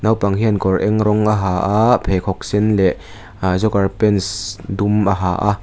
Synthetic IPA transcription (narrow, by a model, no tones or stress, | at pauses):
nawpaŋɦiənkɔrʔɛŋɾɔŋʔaɦaːʔapʰekʰɔk̚sɛnlɛʔ | zɔkarpɛnsdumʔaɦa̰ːʔa